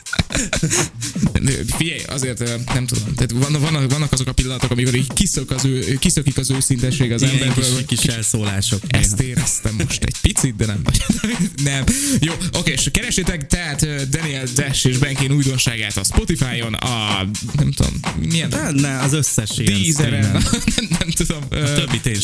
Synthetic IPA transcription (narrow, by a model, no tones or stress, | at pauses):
ø̰fiɟɛjɒ̰zeːrt̪ønɛmt̪ud̪o̞mt̪aːt̪vɒnvɒnːɒvɒnːɒkɒzo̞kɒpilːɒnɒt̪o̞kɒmiko̞ɾiɟkisøkɒzøːkisøkikɒzøːsint̪ɛʃeːɡɒzɛmɛɾkøkːiʃɛlsoːlaːʃokɛ̰st̪eːɾɛst̪ɛmːo̞ʃt̪ɛ̰ɟ̥pit̪sid̪̚d̪ɛnɛmvɒ̰ɟ̥d̪ɛnɛmjoːʔo̞keːeʃkɛɾɛʃːeːt̪ɛkt̪ɛɦat̪øːd̪ɛniɛld̪ɛʃeːʒbɛŋkeːnuːjd̪o̞nʃaːɡaːt̪ɒspo̞t̪ifaːjo̞nɒ̰ | nɛmt̪ud̪o̰mːijɛnnɛɒzøsːɛʃeɡd̪izɛɾɛnnɛmnɛmt̪ud̪o̞møːøbːit̪eː